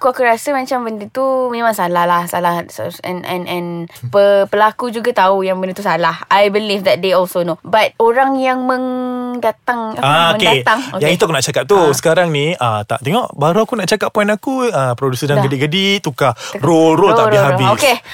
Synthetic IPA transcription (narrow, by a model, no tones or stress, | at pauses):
akuakuɾasəmãt͡ʃambəndət̪umẽmãŋsalahlahsalahɛ̰nʔɛ̃nɛ̃npəpəlakud͡ʒuɡat̪aujaŋbəndət̪usalahajbilifd̪ɛt̪̚deɔlsonobat̪̚oɾaŋjaŋmə̃ŋdat̪aŋaaomə̃nkedat̪aŋojãŋit̪uakunaʔt͡ʃakap̚t̪usə̥kaɾaŋniət̪a̰ʔt̪eŋɔʔbaɾuakunaʔt͡ʃakap̚ːɔinakuəpɾodusədaɡədiʔɡədit̪ukarolrolaiɦabioske